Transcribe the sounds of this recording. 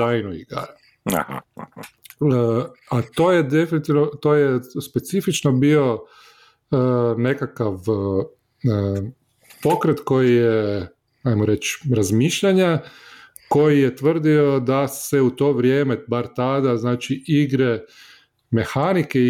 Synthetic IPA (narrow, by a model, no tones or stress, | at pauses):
ajnoḭɡa̰ɾ̰ | at̪o̞ːjed̪e̞finit̪iʋnot̪o̞ːjespe̞t̪sifit͡ʃnobio̞ | əne̞kakaʋ | po̞kɾet̪ko̞jije | ajmoɾe̞t͡ʃɾazmiːʃʎaɲa | ko̞jijet̪ʋər̩d̪io̞d̪aseut̪o̞ːʋɾjeːmebaɾt̪ad̪aznaːt͡ʃiʔiɡɾe | me̞xanike